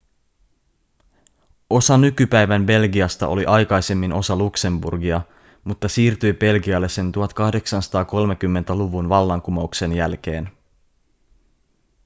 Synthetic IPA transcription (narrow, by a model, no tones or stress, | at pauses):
o̞sɑnykypæjʋæmbe̞lɡiɑst̪ɑ̰ʔo̞liʔɑjkɑjse̞mːinʔo̞sɑlukse̞mbṵrɡiɑ | mut̪ːɑsiːrt̪yjbe̞lɡiɑlːe̞se̞nt̪uɦɑt̪kɑhde̞ksɑnsɑ̥t̪ɑːko̞lme̞kymːe̞nt̪æluʋunʋɑlːɑŋkumoukse̞njælk̟e̞ːn